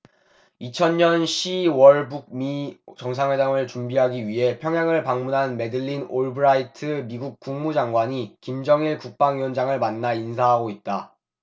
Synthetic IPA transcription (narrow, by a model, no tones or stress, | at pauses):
it͡ɕʰʌnɲʌnɕʰiwʌɭbuɡ̚mit͡ɕʌŋs̬ʰaŋwe̞daŋɯɭt͡ɕumbiɦaɡiɥiɦe̞pʰjʌŋjaŋɯɭpaŋmunɦanme̞dɯʎːinoɭbɯɾaitʰɯmiɡuk̚k͈uŋmud͡ʑaŋɡwaɲikimd͡ʑʌŋiɭkuk̚p͈aŋiʌnd͡ʑaŋɯɭmanːains̬ʰaɦaɡoit̚t͈a